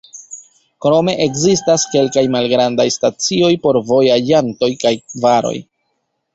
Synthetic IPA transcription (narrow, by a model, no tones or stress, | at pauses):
kɾo̞me̞ʔekzistaske̞lkajmalɡɾandajstat͡sio̞jpo̞ɾvo̞jad͡ʒanto̞jkajvaɾo̞̰j